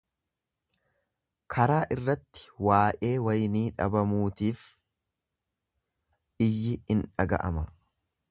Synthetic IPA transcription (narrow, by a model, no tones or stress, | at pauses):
kʰɐɾaːʔɪrːɐt̪ːɪ̥waːʔʼe̞ːwɐjniːᶑɐ̰bɐmuːt̪iːf | ɪjːɪɪnᶑɐɡɐ̰ʔɐ̰mɐ